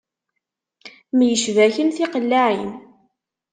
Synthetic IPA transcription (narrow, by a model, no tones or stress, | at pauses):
mjəʃvæçənθiqəlːaʕin